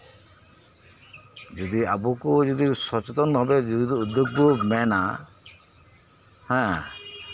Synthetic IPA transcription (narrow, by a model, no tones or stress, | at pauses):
d͡ʒɔd̪iabukud͡ʒud̪isɔt͡ʃet̪ɔnbʱabed͡ʒud̪iud̪juɡ̚bumɛna | hɛ̃